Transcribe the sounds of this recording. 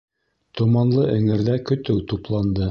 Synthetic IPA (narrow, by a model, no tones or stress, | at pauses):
t̪ŏmɑnlˠɤʔɘ̆ŋɘ̆ɾðækɵ̆t̪ɘwt̪uplˠɑnd̪ɤ